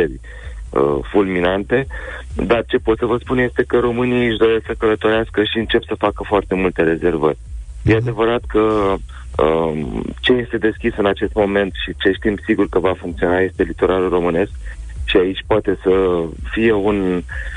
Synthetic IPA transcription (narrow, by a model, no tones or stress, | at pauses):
erʲ | ə̰fulminant̪e̞d̪art͡ʃe̞po̞t̪səvəspunje̞st̪e̞kəɾo̞mɨniɨʃd̪o̞ɾesksəkələt̪o̞ɾeaskəʃiɨnt͡ʃe̞psəfakəfoart̪e̞mult̪e̞ɾe̞ze̞rvə̰rʲjʔe̞ad̪e̞vəɾat̪kə | ət͡ʃe̞je̞st̪e̞d̪e̞skʲisɨnat͡ʃe̞st̪mo̞me̞nt̪ʃit͡ʃe̞ʃt̪impsiɡurkəvafuŋkt̪sio̞naje̞st̪e̞lit̪o̞ɾʔalulro̞mɨne̞sk̚ʃiait͡ʃʲpoat̪e̞səfije̞un